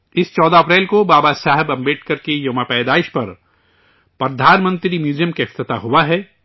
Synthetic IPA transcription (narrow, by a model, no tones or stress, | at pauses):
ɪst͡ʃɔːd̪aɐpɾɛːlkobaːbasaːɦɛbɐ̃mbeːʈkɐɾkejoːmapɛːd̪aːɪʃpɐɾ | pɾɐd̪ʱaːnmə̃nt̪ɾimjuːzijəmkeɪft̪ɪt̪aɦʊwaɦɛː